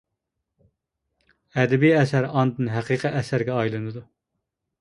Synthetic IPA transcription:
ɛd̪ɛbiɛsæɾɑnd̪ɨnɦæqʰiqʰiʔɛsæɾɡʲɛɑjlˠɨnɨd̪u

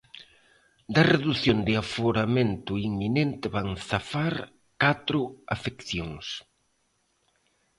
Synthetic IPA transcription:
d̪ɐreðuθjond̪ɪafoɾament̪ʊiŋminent̪ɪβaŋθafaɾ | kat̪ɾʊafekθjoŋs

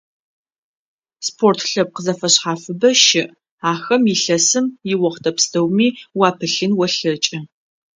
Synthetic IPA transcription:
spʰortʰɬɐp̚qəzɐfɐɕħaːfɨbɐʃɪʔ | aːxɐmiɬɐsɨmjɪwɐχtʰɐpstʰɐwmiːwaːpʰɨɬɨnwɐɬɐt͡ʃʼɐ

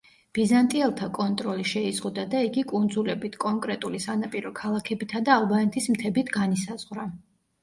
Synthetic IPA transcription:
b̥izant̪ʼiɛlˠt̪ʰakʼɔnt̪ʼɾɔliʃɛizʁud̪ad̪aiɡikʼund̪zulɛbit̪ʰkʼɔŋkʼɾɛt̪ʼulisanapʼiɾɔkʰalˠakʰɛbit̪ʰad̪aːlˠbanɛt̪ʰismt̪ʰɛbit̪ʰɡanisazʁwɾa

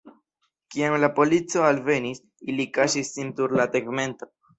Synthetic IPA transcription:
kiamlapo̞lit͡so̞alve̞nis | ilikaʃisːintuɾlateɡme̞nto̞

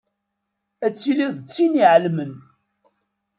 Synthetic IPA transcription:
æt͡sːiliðət͡sːiniʕlmən

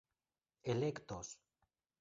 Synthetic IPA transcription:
elekt̪os

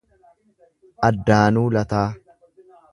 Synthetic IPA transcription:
ʔɐd̪ːaːnuːlɐt̪aː

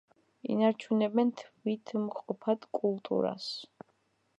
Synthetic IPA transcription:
ḭnaɾt͡ʃʰunɛbɛnt̪ʰvit̪ʰmqʼɔpʰad̪kʼulˠt̪ʼṵɾa̰s

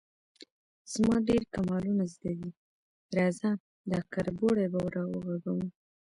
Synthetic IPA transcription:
z̥mɑɖeɾkamɑlunazd̪ad̪i | ɾɑzan | d̪ɑkaɾboɽebawɾɑwə̰ɣaɡawə

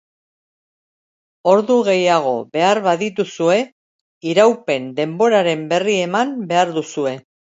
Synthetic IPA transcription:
o̞ɾðuɣe̞jaɣ̞o̞βe̞aɾβaðit̪usue̞ | iɾawpe̞nd̪e̞mbo̞ɾaɾe̞mbe̞rie̞mambe̞aɾðusue̞

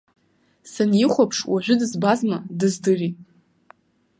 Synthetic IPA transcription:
sanjiχʷapʰʂwaʒᶣʷʊdɨzbazmadɨzdɨri

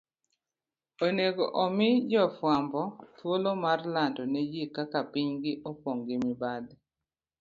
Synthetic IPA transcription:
oneɡoʔɔmɪd͡ʒɔfwambɔt̪wolomarlandɔnɛjekakapiɲɡɪʔopoŋɡɪmɪbad̪

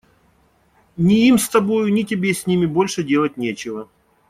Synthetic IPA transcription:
nʲɪimst̪ɐbo̞jʊnʲɪtʲɪbʲesʲnʲimʲɪbo̞lʲʂɨdʲe̞lˠət̚ʲnʲet͡ɕɪvə

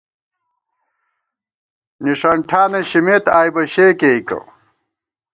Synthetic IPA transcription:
niʂɐɳʈʰaːneɕimet̪aːjbɐɕeːkeikɐ̰

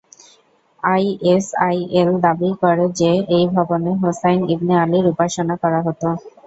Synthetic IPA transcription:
ajesajeld̪abikɔɾed͡ʑeejbʱɔboneɦosajnibnialiɾupaʃonakɔɾaɦot̪o

